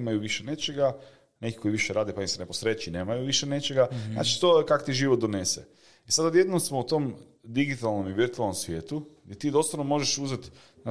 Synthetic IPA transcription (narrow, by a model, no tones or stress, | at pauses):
majuʋiʃene̞t͡ʃeɡa | ne̞ki̥ko̞iʋiʃeɾaːd̪epaniseneposɾet͡ʃineːmajuʋiʃene̞t͡ʃeɡazna̰ːt͡ʃi̥t̪oekako̥t̪iʒiʋot̪̚d̪onesḛ | isad̪od̪jed̪nomsmout̪oːm | d̪iɡit̪alˠno̞miʋiɾt̪ualnomsʋje̞ːt̪uɡd̪et̪iːd̪o̞st̪onomo̞ʒeʃuzet̪